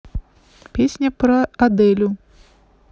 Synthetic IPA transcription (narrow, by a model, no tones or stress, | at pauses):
pʲesʲnʲɐpɾɐad̪ɛlʲʊ